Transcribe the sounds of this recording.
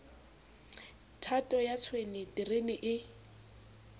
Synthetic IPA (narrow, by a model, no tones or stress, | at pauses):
tʰatʼɔjat͡sʰwenɪdirenɪʔɪ